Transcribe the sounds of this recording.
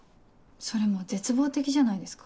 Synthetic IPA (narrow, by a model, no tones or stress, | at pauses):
so̞ɾe̞mo̞ze̞t͡sɨbo̞ːt̪e̞kʲiʑanaid̪esɨ̥kḁ